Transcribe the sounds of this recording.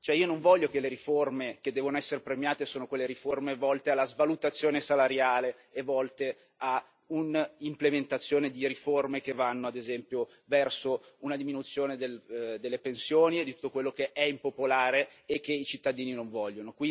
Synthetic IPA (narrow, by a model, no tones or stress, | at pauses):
t͡ʃoɛiːonõɱvɔʎːokeleɾiformeked̪ːɛːvonoɛsːeɾepɾemjaːt̪esoːnokwelːeɾiformevɔlt̪ealːazvalut̪at̪sːjoːnesalaɾjaːleː | vɔlt̪e | a | unimplement̪at̪sːjoːned̪iɾiformek̟evːanːoad̪ezɛmpjo | vɛrsounad̪iminut̪sːjoːned̪eld̪elːepensjoːnied̪it̪u̥t̪ːokwelːokeʔɛimpopolaːɾeːk̟ːeit͡ʃit̪ːad̪iːninoɱvɔʎːonokwi